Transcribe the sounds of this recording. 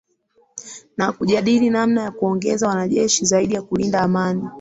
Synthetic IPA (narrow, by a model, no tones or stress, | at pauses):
nakuʄaɗilinamnajakuɔŋɡɛzawanaʄɛʃizaiɗijakulindaːmani